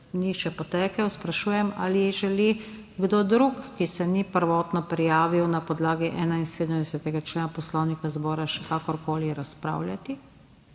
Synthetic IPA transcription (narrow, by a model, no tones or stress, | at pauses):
niʃɛpɔt̪ɛːkɛwspɾaʃuːjɛma̰ːlijɛʒɛli | ɡd̪od̪ɾukːisɛnipəɾʋɔːt̪nɔpɾijaːʋiwnapɔd̪laːɡiʔɛːnainseːd̪əmd̪ɛsɛt̪ɛɡat͡ʃleːnapɔslɔwnikazbɔːɾaʃɛkakɔɾkoːliɾaspɾa̰ːwlʲjat̪i